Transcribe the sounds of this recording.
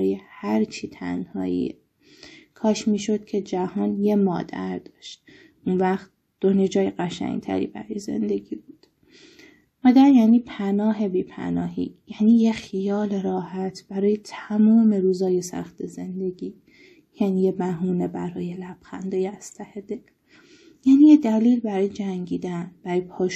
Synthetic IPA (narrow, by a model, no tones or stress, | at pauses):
ɾɒːjehæɾt͡ʃʰiːt̪ʰæ̰nhɒ̰ːḭ | kʰɒːʃmiːʃo̞d̪̥̚cʰe̞d͡ʒæhɒːnje̞mɒːd̪æ̰ɾd̪̥ɒːʃt̪̚ | ʔunvæχt̪̚ | d̪̥oned͡ʒɒːjeɢæʃæ̰ŋɡt̪ʰæ̰ɾḭbæ̰ɾɒːjeze̞̰nd̪e̞ɟiːbuːd̪̥ | mɒːd̪æɾjæːniːpʰænɒːɦe̞biːpʰæ̰nɒːhḭːjæːniːjexijɒːleɾɒːhæt̪ʰb̥æɾɒːje̞t̪ʰæmɒːme̞ɾuːzɒːje̞sæ̰xt̪eze̞nd̪e̞ɡiː | jæniːjebæɦuːne̞bæɾɒːje̞læb̥xæ̰nd̪eːjeæst̪ʰæhed̪el | jæːniːjed̪æliːlbæɾɒːjed͡ʒæŋɟiːd̪ænb̥æɾɒːjepʰɒːʃ